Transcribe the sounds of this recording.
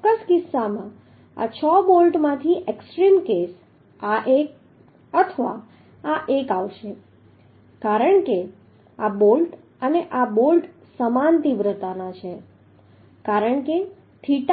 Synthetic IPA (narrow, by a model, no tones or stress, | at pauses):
əskɪsːamã | a̰t͡ʃʰɔbolʈmãt̪ʰiʔeksʈɾimkes | aʔek̚ | ət̪ʰəʋaː | ʔekaʋʃe | kaɾəɳke | abolʈ | əneʔabolʈ | səmant̪iʋɾət̪anat͡ʃʰe | kaɾəɳke | t̪ʰiʈ